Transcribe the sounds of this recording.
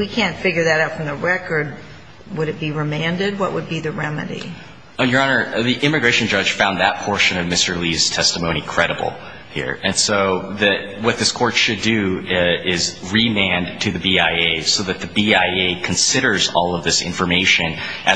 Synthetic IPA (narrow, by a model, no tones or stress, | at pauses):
wikʰæ̃ntfɪɡjə˞ðɨɾaʊtfɹʌ̃mðəɹɛkə˞d̚ | wəɾɨt̚b̥iɹɨmæ̃ndɨd̚wʌʔ̚wəd̚biðɨɹɛmɨ̰ɾḭ | jə˞ɑnə˞ðiʔɪ̃mɨɡɹeɪʃɨ̃n̩d͡ʒʌd̥ʒ̥fãʊ̃nðɨt̚pʰɔɹʃɨ̃nʌvmɪstə˞liz̥tʰɛstəmõʊ̃nikʰɹ̥ɛɾəbl̩ˠ | hḭɹɨ̃nsoʊðɨt̚wʌt̪̚ðɪskʰɔɹtʃɨdɨɪzɹimæ̃ntʰɨðɨbiaɪeɪsoʊðɨt̪̚ðɨbiaɪeɪkʰn̩sɪɾə˞zɔ̰lˠʌvðɪsɪ̰̃ɱfə˞meɪʃɨ̃nʔɨ